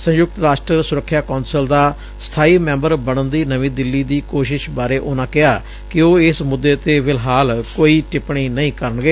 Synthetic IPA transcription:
sə̃jʊk̚t̪ɾaːʃʈɾəsʊɾəkʰːjaːkõːnsəld̪aː | st̪ʰaːiːmɛ̃ːmbəɾbəɽ̃ənd̪iːnəʋĩːd̪ɪlːiːd̪iːkoːʃɪʃbaːɾeːʔonãːkɪaː | kɪoːɪsmʊd̪ːeːt̪eːʋɪlɦaːlkoːiːʈɪpɳĩːnəĩːkəɾəɳɡeː

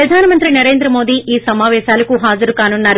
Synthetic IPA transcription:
ɾɐd̪ʱaːnɐmɐnt̪ɾinɐɾeːnd̪ɾɐmo̞ːd̪iːʔiːsɐmaːʋɛːʃaːlɐkuɦaːd͡ʒɐɾukaːnunːaːɾu

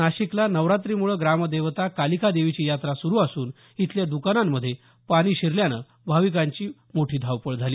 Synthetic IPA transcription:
aɕiklanəʋɾat̪ɾiːmuɭəːɡɾaməd̪eʋt̪akalikʰad̪eʋit͡ɕiːjat̪ɾasuɾuːasuːn | it̪ljad̪ukanamːəd̪ʱːje | paɽ̃iːɕiɾljanə̰ | bʱaʋik̬aɲt͡ɕiː | moʈʰiːd̪ʱaʋpəɭd͡zʱaliː

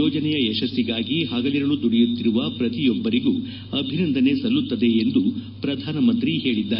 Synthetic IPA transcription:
ɔːd͡ʒɐnɛjɐɛʃɐsːiɡaːɡiɦaːɡɐliɾɐɭud̪uɽɛjut̪ːiɾuʋɐpɾɐt̪ijɔbːɐɾiɡu | ɐbʱinɐnd̪ʱɐne̞sɐlːut̪ːɐd̪e̞ːnd̪u | pɾɐd̪ʱaːnɐmɐnt̪ɾihe̞ːɭid̪ːaː

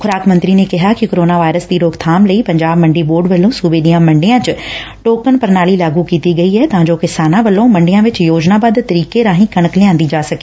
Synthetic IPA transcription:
xʊɾaːkmɐ̃nt̪ɾinẽkɐɦakɪkoːɾoːnaʋaːɪɾəsd̪iɾoːɡt̪ʰaːmlɐipɐ̃ɲd͡ʑaːbmɐ̃ɳɖiboːɾɖʋɐlõsuːbeɗiːãmɐ̃ɳɖijãt͡ɕʊ | ʈoːkənpɐɾnaːlilaːɡukiːt̪iɡɐiɛɛt̪ɐʋãːɲd͡ʑoːkɪsaːnãʋɐlõmɐ̃ɳɖijãʋɪt͡ɕjoːd͡ʑnabaːd̪t̪ɐɾiːkeɾãːɦĩkɐɽ̃əklɪjãːnd̪id͡ʑaːsɐɡeː

